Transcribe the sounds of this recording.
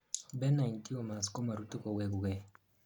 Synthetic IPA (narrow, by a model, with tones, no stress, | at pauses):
bɛ˦na˨i˨nti˦ɔ˨ma˨skɔ˦ma˨ɾu˦tu˦kɔ˨wɛ˨ɡu˨ɡɛ˨